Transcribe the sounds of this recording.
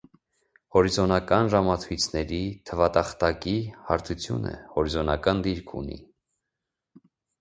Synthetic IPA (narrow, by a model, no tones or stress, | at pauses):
hɔɾizɔnɑkɑnʒɑmɑt͡sʰujt͡sʰnɛɾit̪ʰəvɑt̪ɑχt̪ɑkihɑ̰ɾt̪ʰut͡sʰjṵnə̰hɔɾizɔnɑkɑnd̪iɾkʰṵnḭ